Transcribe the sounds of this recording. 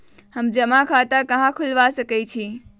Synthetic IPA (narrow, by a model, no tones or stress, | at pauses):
həmd͡ʒəmakʰat̪akəɦãkʰulʋasəkɛt͡ʃʰi